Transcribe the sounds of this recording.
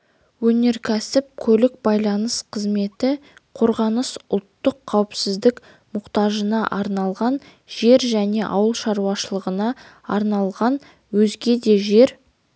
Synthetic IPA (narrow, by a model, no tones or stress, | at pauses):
wɵne̞ɾkʲʰæsɪp̚kʲʰɵlɪk̚bɑjlˠɑnəsqʰəzme̞t̪ɪqʰo̞ɾʁɑnəsʊlˠt̪ːəqʰːɑwəpsɪzd̪ɪk | mʊqt̪ɑʒənɑʔɑɾnɑlˠʁɑn | ʒe̞ɾʒæne̞ʔɑ̰wəlˠʃɑɾuwɑʃəlˠəʁənɑ | ɑɾnɑlˠʁɑn | wɵzɡʲe̞d̪e̞ʒe̞ɾ